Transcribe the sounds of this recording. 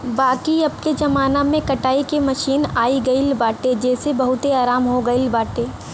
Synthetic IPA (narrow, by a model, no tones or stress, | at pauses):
baːkiɐb̚ked͡ʒɐmaːnamẽkɐʈaːikemɐʃiːnaːiɡɐilbaːʈed͡ʒɛːsebɐɦʊt̪eaːɾaːmɦoɡɐilbaːʈeː